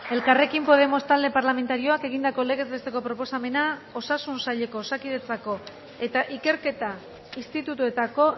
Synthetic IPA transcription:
e̞lkare̞kimpo̞ð̞e̞mo̞st̪ald̪e̞paɾlame̞nt̪aɾio̞ake̞ɣ̞ind̪ako̞le̞ɣ̞e̞zβe̞st̪e̞ko̞pɾo̞po̞same̞nao̞sasunsaʎe̞ko̞ːsakiðe̞t͡sako̞ | e̞t̪aʔike̞ɾke̞t̪a | ist̪it̪ut̪ue̞t̪ako̞

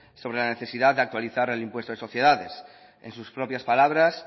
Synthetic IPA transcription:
so̞β̞ɾe̞lane̞θe̞siðaðd̪eak̚t̪waliθaɾelimpwest̪oso̞θje̞ðaðes | ḛnsuspɾo̞pjaspalaβ̞ɾas

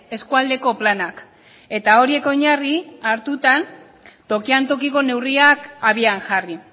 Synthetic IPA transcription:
e̞skuald̪e̞ko̞planak | e̞t̪ao̞ɾie̞ko̞ɲariaɾt̪ut̪an | t̪o̞kiant̪o̞kiko̞ne̞wriakaβiaŋʝari

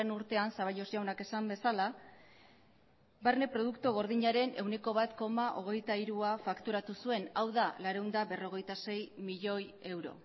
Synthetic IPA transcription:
enuɾt̪e̞ansaβ̞aʎo̞zjawnake̞sambe̞sala | baɾne̞pɾo̞ðukt̪uɣ̞o̞ɾðiɲaɾe̞ne̞wne̞ko̞β̞at̪ko̞maʔo̞ɣ̞e̞jt̪aiɾuafakt̪uɾat̪usue̞nawðalaɾewnd̪aβe̞ro̞ɣ̞e̞jt̪ase̞jmiʎo̞je̞wɾo̞̰

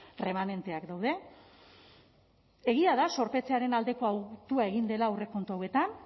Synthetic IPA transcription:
re̞mane̞nt̪e̞akd̪awðe̞ | eɣ̞iaðaso̞ɾpe̞t͡se̞aɾe̞nald̪e̞ko̞awt̪uae̞ɣind̪e̞laure̞ko̞nt̪oawe̞t̪an

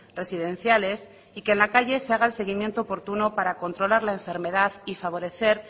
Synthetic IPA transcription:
re̞siðe̞n̟θjale̞s | ikeːnlakaʝe̞se̞aɣ̞aelse̞ɣ̞imje̞nt̪oːpo̞ɾt̪unopaɾako̞nt̪ɾo̞laɾlae̞ɱfe̞ɾme̞ð̞aðifaβ̞o̞ɾe̞θe̞ɾ

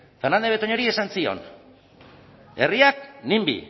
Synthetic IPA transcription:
fernand̪e̞βe̞t̪oɲo̞ɾie̞sansio̞̰n | e̞riak̚nimbḭ

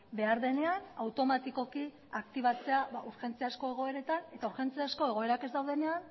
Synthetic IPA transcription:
be̞aɾðe̞ne̞anawt̪o̞mat̪iko̞ki | akt̪iβ̞at͡se̞aβauɾʝe̞nt͡siasko̞e̞ɣ̞o̞e̞ɾe̞t̪ane̞t̪auɾxe̞nt͡siasko̞e̞ɣ̞o̞e̞ɾake̞zd̪awðe̞nean

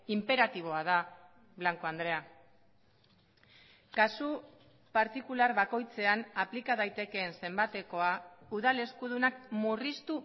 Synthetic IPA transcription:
impe̞ɾat̪iβ̞o̞að̞a | βlaŋko̞and̪ɾe̞a | kasu | paɾt̪ikulaɾβako̞jt͡se̞anaplikað̞ajt̪e̞ke̞ːnse̞mbat̪e̞ko̞auðale̞skuð̞unak̚murist̪u

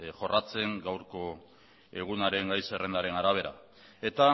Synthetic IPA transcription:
ʝo̞rʔat͡se̞ŋɡawɾko̞ | eɣ̞unaɾe̞ŋɡajse̞re̞nd̪aɾe̞naɾaβ̞e̞ɾa̰ | e̞t̪a

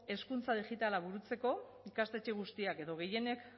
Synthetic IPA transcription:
e̞skunt͡sað̞iʝit̪alaβuɾut͡se̞ko̞ | ikast̪e̞t͡ʃeɣ̞ust̪iake̞ðo̞ɣ̞e̞je̞ne̞k

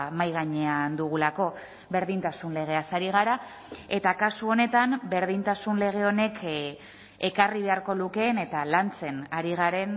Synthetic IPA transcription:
majɣ̞aɲe̞and̪uɣ̞ulako̞ | βe̞ɾðint̪asunle̞ɣ̞e̞asaɾiɣ̞aɾa | e̞t̪akasuo̞ne̞t̪ambe̞ɾðint̪asunle̞ɣ̞e̞o̞ne̞k | e̞kariβe̞aɾko̞luke̞ne̞t̪alant͡se̞naɾiɣ̞aɾe̞n

